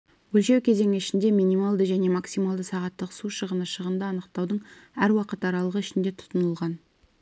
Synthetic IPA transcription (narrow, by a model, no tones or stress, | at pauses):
wɵlʃe̞wkʲʰe̞ze̞ŋɪɪʃɪnd̪e̞minijmalˠd̪əʒæne̞maksimalˠd̪əsɑʁɑt̪ːəqsuʃəʁənəʃəʁənd̪əɑnəq̚t̪ɑwd̪əɴæɾwɑqət̪ɑɾɑlˠəʁəɪʃɪnd̪e̞t̪ʰʊ̥t̪ənəlˠʁɑn